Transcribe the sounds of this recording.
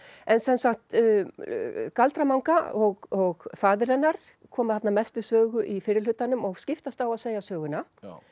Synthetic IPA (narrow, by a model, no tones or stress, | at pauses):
ɛnsɛnsaxt̪ | kalt̪ɾamawŋkaɔɣɔɣfaːðɪɾɛnːaɾ̥ | kʰɔːmaθat̪namɛst̪vɪðsœːɣʏʔifɪːɾɪlʏt̪anʏmɔɣscɪft̪ast̪awaðseːjasœːɣʏna